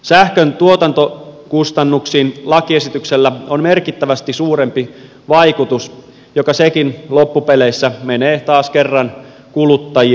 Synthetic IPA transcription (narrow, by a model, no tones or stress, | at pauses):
sæhkønt̪uot̪ɑnt̪okust̪ɑnːuksiːnlɑkie̞sit̪ykselːæonme̞rkit̪ːæʋæst̪isuːɾempi | ʋɑikut̪us | jo̞kɑsekinlo̞pːupe̞leisːæme̞neːt̪ɑːskerːɑn | kulut̪ːɑji